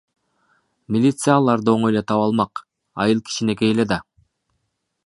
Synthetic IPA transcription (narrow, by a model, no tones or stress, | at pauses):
mʲilʲit̪sɨjalˠɑɾd̪ɯo̞ɴojlet̪ʰɑβɑlˠmɑq | ɑ̰jɯlˠkʰi̥ʃine̞ke̞jeled̪ɑ